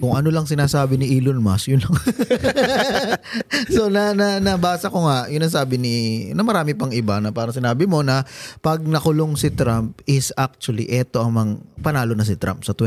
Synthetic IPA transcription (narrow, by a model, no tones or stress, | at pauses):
kʊŋʔɐnolɐŋsɪnaːsaːbɪnɪʔiːlonmɐsjʊnlɐŋ | sonɐnɐnɐbaːsɐko̞ŋaʔjʊnːɐŋsaːbɪnɪnɐmɐɾaːmɪpɐŋʔɪbanɐpaːɾɐŋsɪnaːbɪmo̞nɐpɐɡ̚nɐkʊloŋsɪt̪ɾamp̚ɪsak̚t͡ʃwɐlḭʔɛt̪o̞ʔɐŋmɐŋpɐnaːlo̞nɐs̬ɪt̪ɾʔa̰mpsɐt̪wɛ